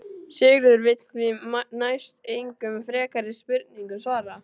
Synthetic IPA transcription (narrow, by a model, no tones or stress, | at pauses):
sɪɣɾʏʏɾvɪt̪kvinajst̪eːjŋkʏmfɾɛːkaɾɪspɪɾt̪niŋkʏsvaːɾa